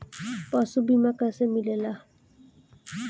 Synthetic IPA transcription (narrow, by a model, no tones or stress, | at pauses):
pɔsubimakasemilela